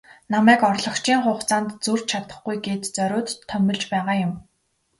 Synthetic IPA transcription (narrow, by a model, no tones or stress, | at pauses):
namæːkɔrɮɞ̆kt͡ɕiːŋχʊːχt͡saːnt̪t͡sur̥t͡ɕt͡ɕʰat̪ə̆χɡujɡeːt̪t͡sœɾʲʊːt̪t̪ʰːœmʲɪ̆ɮt͡ɕpæːʁaːjʊm